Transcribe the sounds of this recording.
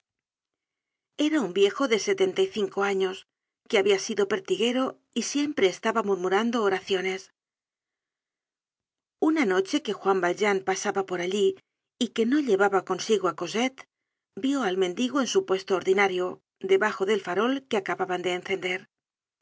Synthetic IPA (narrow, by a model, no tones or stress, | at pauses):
e̞ɾaumbje̞xo̞ðe̞se̞t̪e̞nt̪ajθiŋko̞aɲo̞s | ke̞aβiasiðo̞pe̞ɾt̪iɣe̞ɾo̞ | isje̞mpɾe̞ːst̪aβamuɾmuɾand̪oːɾaθjo̞ne̞s | unano̞t͡ʃe̞ke̞xwambalʒanpasaβapo̞ɾaʎiː | ke̞no̞ʎe̞βaβako̞nsiɣoako̞se̞t̪ | bjo̞almẽ̞nd̪iɣoe̞nsupwe̞st̪oːɾðinaɾjo̞ | d̪e̞βaxo̞ðe̞lfaɾo̞lkeakaβaβand̪e̞ːnθe̞nd̪e̞ɾ